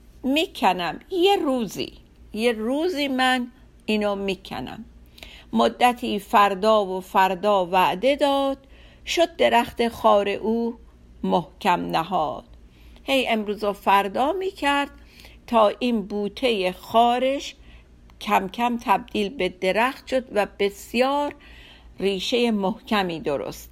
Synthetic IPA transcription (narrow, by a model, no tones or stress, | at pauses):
miːkʰænæmjeɾuːzḭː | jeruːziːmæn | iːnɔːmiːkʰæ̰næ̰mː | od̪ːæt̪ʰiːfæɾd̪ɒːvofæɾd̪ɒːvæʔd̪e̞d̪ɒːd̪̥ʃod̪̚ːe̞ɾæxt̪exɒːɾe̞̰ʔuː | mohcʰæmnæɦɒ̰ːd̪̥ | he̞je̞mɾuːzɑːfæɾd̪ɒːmiːcʰæɾd̪̥̚ | t̪ʰɒːʔiːnbuːt̪ʰe̞jexɒːɾeʃ | kʰæmkʰæmt̪ʰæb̚d̪̥iːlbe̞d̪e̞ɾæxt̪ʃod̪væb̥e̞sjɒːɾ | riːʃe̞jemohcʰæmiːd̪oɾo̰st̪